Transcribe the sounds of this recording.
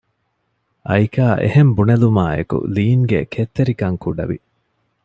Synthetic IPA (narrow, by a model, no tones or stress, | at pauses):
ʔɐjkaːʔḛhembunelumaːḛkṵliːŋɡḛkʰet̪ːeɾikɐŋkuɖɐ̰ʋḭ